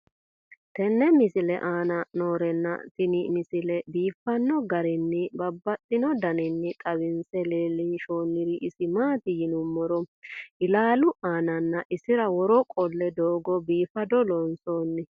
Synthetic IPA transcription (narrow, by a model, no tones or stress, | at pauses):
t̪ɛnːɛmɪsɪlɛ̰ʔaːnɐnoːɾɛnːɐ̰tɪnɪmɪsɪlɛbiːfːɐnːɔɡɐɾɪnːɪbɐbːɐt̪ʼːɪnɔd̪ɐnɪnːɪt̪ʼɐwɪnsɛleːlɪnʃoːnːɪɾɪʔɪsɪmaːt̪ɪjɪnʊmːɔɾɔʔɪlaːlʊʔaːnɐnːɐʔɪsɪɾɐwɔɾɔkʼɔlːɛd̪oːɡɔbiːfɐd̪ɔlɔnso̞ːnːɪ